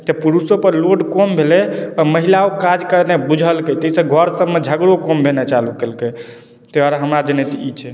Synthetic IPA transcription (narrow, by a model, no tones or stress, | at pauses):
t̪epuɾusopəɾloɖkombʱelɛɔməɦilaokad͡ʒkəɾnebud͡ʒʱəlket̪əisəɡʱɔɾsəbːed͡ʒʱəɡɾokombʱenɛt͡ʃalukelke | t̪eaɾaɦəmɾad͡ʒenet̪iit͡ʃʰɛ